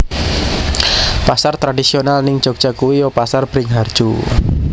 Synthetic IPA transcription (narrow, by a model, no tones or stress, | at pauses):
pasart̪ɾadisionalnɪŋ̥ʒ̥oɡ̥̚ʒ̥akuwijɔpasarb̥ɾɪŋɦard̥ʒ̥u